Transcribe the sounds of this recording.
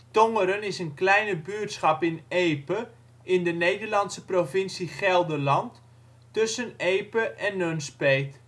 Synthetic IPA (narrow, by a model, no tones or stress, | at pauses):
toŋəɾənɪsənklɛjnəbyətsχɑpɪnejpə | ʔɪndənejdəɹlɑntsəprofɪnsiχɛlˠdəlɑnt | tɵsənejpəʔɛnːønspejt